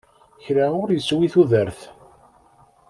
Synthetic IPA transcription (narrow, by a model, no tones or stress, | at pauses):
çɾaʊɾjəswiθuðəɾθ